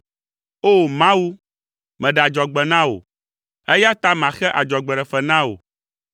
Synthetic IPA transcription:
o˦˨mã˦wu˦ | mɛ̃˨ɖɛ˨a˨d͡ʒɔ˨ɡ͡bɛ˨nã˦wo̰˨ | ɛ˦ja˦t̪a˦mã˨xɛ˦ʔa˨d͡ʒɔ˨ɡ͡bɛ˨ɖɛ˨fɛ˨nã˦wo̰˨

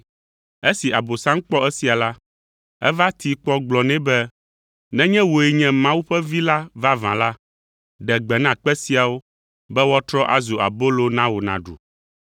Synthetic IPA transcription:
e˦si˨a˨bo˨sã˦ŋ̩˦k͡pɔ˦ɛ˦si˨a˨la˦ | ɛ̰˦va˦t̪i˨k͡pɔ˦ɡ͡blɔ˨nɛ̃˦bɛ˦ | nɛ̃˦ɲɛ̃˦wo˨ɛ˨ɲɛ̃˦mã˦wu˦ɸɛ˦vi˦la˦va˦vã̰˨la˦ | ɖɛ˨ɡ͡bɛ˨nã˨k͡pɛ˦si˦a˨wo˦ | bɛ˦wɔ˦t̪ɾɔ˦ʔa̰˨zo˨a̰˨bo˦lo˦nã˦wo˨nã̰˨ɖṵ˨

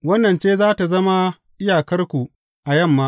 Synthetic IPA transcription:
wɐ˦nːɐ˨nt͡ʃeː˦zaː˦ta˨zɐ˦ma˦ | ʔɪ˦jaː˨kɐ˦rkʷu˨ | ʔa˨jɐ˦˨mːaː˦

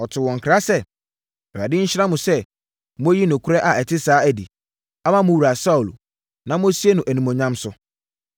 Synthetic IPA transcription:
ɔ˨tʰɪ˨wɔ̃˨ŋ˨kʰɾa˦sɛ˦˨ | a˨dɪ˦ɲ̩˦ɕã˦mʊ̃˨sɛ˦ | mʊ̃˦ji˦nʊ̃˨kʰʊ˦ɾɛ˦ʔa˨ɛ˨tʰɪ˦saː˦æ˨dḭ˨ | a˦mã˦mʊ̃˦wu˨ɾa˨sa˦u˨l | nã˨˦mʊ̃˦si˦e˦nʊ̃˨ʔæ˨nĩ˨mõ˨ɲã˦msʊ˦

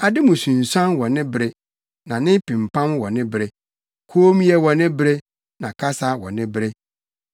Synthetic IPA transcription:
a˨dɪ˦mʊ̃˨sũ˨n̩˨sã˦nwɔ˨nɪ̃˦bɾe˦ | nã˨nɪ̃˦pĩ˨m̩˨pʰã˦mwɔ˨nɪ̃˦bɾe˦ | kʰoː˦m˦jɛ˦wɔ˨nɪ̃˦bɾe˦ | nã˨kʰa˦sa˦wɔ̰˨nɪ̃˦bɾe˦

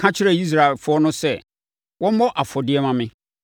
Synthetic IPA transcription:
kʰã˦t͡ɕʰɪ˦ɾɛ˨i˦s̬ɾa˨e˨lfʊ˦ɔ˦nʊ̃˦sɛ˦˨ | wɔ̃˦m˦mɔ̃˦ʔa˨fɔ˨dɪ˦ɛ˦mã˨mɪ̃˦

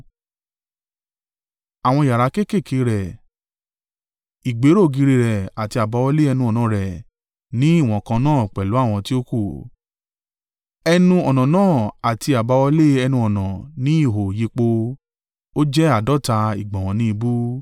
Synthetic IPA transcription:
a˨w̃ɔ̃˧i˨ja˨ɾa˨˧˦ke˦ke˦˨kʰe˨˦ɾɛ˨ | i˨ɡ͡be˨˦ɾo˦˨ɡi˧ɾi˧ɾɛ˨a˨ti˧a˨ba˨˧˦wɔ˧le˦ɛ˧nũ˧ɔ˨nã˨˦˨ɾɛ˨ | nĩ˨˦i˦˨w̃ɔ̃˨kã˧nãː˦˨k͡pɛ˨lu˨˦a˦˨w̃ɔ̃˧ti˦o˦ku˦˨ | ɛ˧nũ˧ɔ˨nã˨nãː˦˨a˨ti˧a˨ba˨˧wɔ˧le˦ɛ˧nũ˧ɔ˨nã˨nĩ˦i˦˨ɦo˨ji˧k͡po˧ | o˦d͡ʒɛ˦a˦˨dɔ˦ta˧ḭ˨ɡ͡bã˨wɔ̃˨˦nĩ˦i˧bu˦

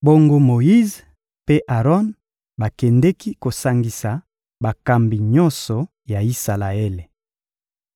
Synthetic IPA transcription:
bo˦ŋɡo˦mo˨ji˦z | pe˦ʔa˨ʁɔ˦n | ba˨kɛ˨ndɛ˦ki˦ko˨sa˨ŋɡi˨sa˨ | ba˨ka˨mbi˨ɲɔ˦nsɔ˨ | ja˨i˦sa˨la˨e˦le˨

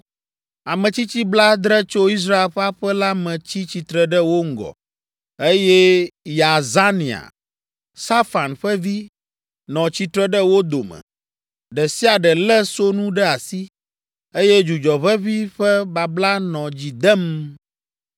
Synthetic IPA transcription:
a˨mɛ̃˨t͡ɕi˦t͡ɕi˦bla˦d̪ɾɛ˦t͡ʃo˦i˦s̬ɾa˦e˨lɸa˦ɸɛ˦la˦mɛ̃˨t͡ɕi˦t͡ɕi˨t̪ɾɛ˦ɖɛ˦wo˦ŋ̩˦ɡɔ̰˨ | e˦jɛ˦ja˨za˦nĩ˨a̰˨ | sa˦fa˨nɸɛ˦vi˦ | nɔ̃˨t͡ɕi˦t̪ɾɛ˦ɖə˦wo˦d̪o˨mɛ̰˨ | ɖɛ˨si˦a˨ɖɛ˨lɛ˦so˦nũ˦ɖɛ˦a˨si˦ | e˦jɛ˦d͡ʒu˨d͡ʒɔ˨βɛ˦βi˦ɸɛ˦ba˨bla˦nɔ̃˨d͡ʑi˨d̪ɛ˦m

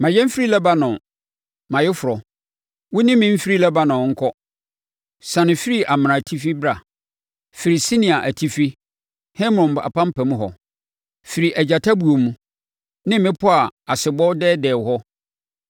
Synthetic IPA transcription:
mã˨jɛ̃˦m̩˦fɾi˦lɛ˦ba˦nʊ̃˨ | mã˨jɪ˦fʊ˨ɔ˨ | wʊ˦nɪ̃˦mɪ̃˦m̩˦fi˦ɾi˦lɛ˦ba˦nʊ̃˨ŋ̩˦kʰɔ˦ | sã˨nɪ̃˨fi˦ɾi˦ʔa˨m̃˨ɾã˨tʰi˦fi˦bɾa˨ | fi˨ɾi˨si˦nĩ˨a˨ʔæ˨tʰi˦fi˦ | hɛ˦m˦ɾɔ̃˨m˨a̰˨pã˦m̩˦pʰɛ˨mũ˦ɦɔ̰˨ | fi˨ɾi˨ʔæ˨d͡ʑa˨tʰa˦bu˨o˨mũ˦ | nɪ̃˦mɪ̃˦pʰʊ˦a˨a˨sɪ˨bɔ˦dɛː˦dɛː˨hɔ˦

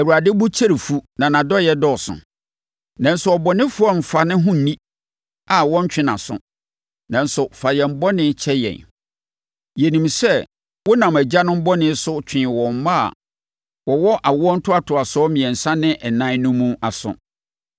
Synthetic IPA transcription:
ɛ˨wu˨ɾa˨dɪ˦bʊ˦t͡ɕʰe˦ɾi˨fu˦nã˨nã˨dɔ˦jɛ˦dɔ˦˨sʊ̰̃˨ | nã˨n̩˨sʊ˨ɔ˨bɔ˨nɪ̃˦fʊ˦ɔ˦m̩˨fa˨nɪ̃˦ɦʊ̃˦n̩˨nĩ˦ | a˨wɔ̃˦ɲ̩˦t͡ɕᶣɪ̃˦nã̰˨sʊ̰̃˨ | nã˨n̩˨sʊ˨fa˨jɛ˨m̩˦bɔ˦nɪ̃˦t͡ɕʰɛ˦jɛ̰̃˨n | jɛ˨nĩ˨msɛ˦ | wɔ˦nã˨mæ˨d͡ʑa˦nʊ̃˦m̩˦bɔ˦nɪ̃˦sʊ˦t͡ɕᶣʰɪ̃˨wɔ̃˨m˨mã˦a̰˨ | wɔ˨wɔ˦ʔa˨wɔ˦n̩˦tʰʊ˦a˨tʰʊ˨a˨sɔ˦mɪ̃˨ɛ̃˨n̩˨sã˦nɪ̃˦ʔɛ˨nã˦nũ˦mːũ˦a˨sʊ̰̃˨

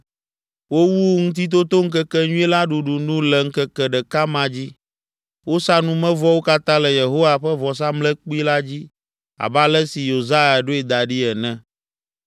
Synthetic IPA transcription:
wo˦wu˦ŋũ˦t̪i˦t̪̬o˦t̪o˦ŋ̩˦k̬ɛ˦kɛ˦ɲũ˦ɛ˦la˦ɖu˨ɖu˨nũ˦lɛ˨ŋ̩˦kɛ˦kɛ˨ɖɛ˨ka˦mã˨d͡ʑi˦ | wo˦sa˦nũ˦mɛ̃˦vɔ˦wo˦ka˦t̪ã˦lɛ˨je˨ɦo˦wa˨ɸɛ˦vɔ˨s̬a˦mlɛ˦k͡pi˦la˦d͡ʑi˦ | a̰˨ba˦lɛ˦si˨jo˨za˦ja˨ɖo˦ɛ˨d̪a˨ɖi˦ɛ˨nɛ̃˦

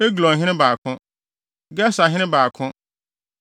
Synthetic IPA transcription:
e˦ɡlɔ̃˨ɦɪ̃˦nɪ̃˦baː˨kʰʊ̃˦ | ɡɛ˦sa˨ɦɪ̃˦nɪ̃˦baː˨kʰʊ̃˦

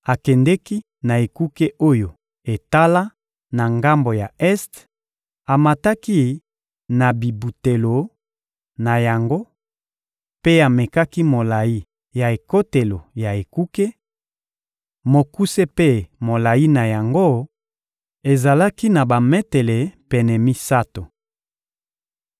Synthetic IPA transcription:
a˨kɛ˨ndɛ˦ki˦ | na˨e˨ku˦ke˦ʔo˦jo˨ | e˨ta˦la˦ | na˨ŋɡa˦mbo˨ja˨ɛ˦st | a˨ma˨ta˦ki˦ | na˨bi˨bu˨te˨lo˨ | na˨ja˨ŋɡo˦ | pe˦a˨me˨ka˦ki˦mo˨la˨ji˦ | ja˨e˨ko˦te˨lo˨ja˨e˨ku˦ke˦ | mo˨ku˦se˦pe˦mo˨la˨i˦na˨ja˨ŋɡo˦ | e˨za˨la˦ki˦na˨ba˨me˦te˨le˨pɛ˨nɛ˨mi˦sa˦to˨

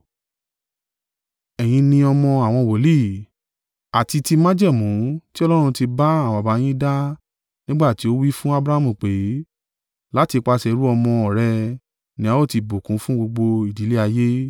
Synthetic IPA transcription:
ɛ˨j̃ĩ˧nĩ˧ɔ˧mɔ̃˧a˨w̃ɔ̃˧wo˨˦li˦˨ | a˨ti˧ti˧mã˦d͡ʒɛ˦˨mũ˨˦ti˦ɔ˧lɔ˦ɾ̃ũ˧ti˧ba˦ã˦˨a˨ba˨˦j̃ĩ˦da˦ | nĩ˦ɡ͡ba˦˨ti˨˦o˦wi˦fũ˦a˦bɾa˦a˦mũ˦˨k͡pe˨˦ | la˦ti˧k͡pa˧sɛ˨˦ɾu˦ɔ˧mɔ̃˧ɔ˨ɾɛ˧ | nĩ˨˦a˦o˦˨ti˧bo˨kũ˨˦fũ˦ɡ͡bo˧ɡ͡bo˧i˨di˨˦le˦a˧je˦

